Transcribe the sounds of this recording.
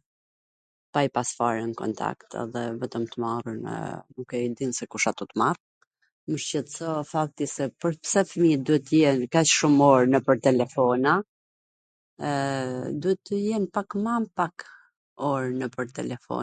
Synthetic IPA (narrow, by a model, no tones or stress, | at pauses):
pajpasfaɾɛnkɔ̰nt̪ʰa̰kt̪ʰɛ̰ðɛvɛt̪əmt̪əmarunə̰nukɛid̪insɛkuʃat̪ut̪mar | məʃt͡ɕɛt̪sɔfak̚t̪isɛpəɾpsɛfəmid̪uhɛt̪ːəjɛnkat͡ʃʃumɔɾnəpəɾt̪ɛlɛfɔna | d̪uhɛt̪ːəjɛnpakmampak | ɔɾnəpəɾt̪ɛlɛfɔ̰